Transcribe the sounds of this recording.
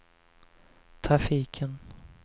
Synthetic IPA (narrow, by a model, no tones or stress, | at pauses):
t̪ʰɾafiːkʰən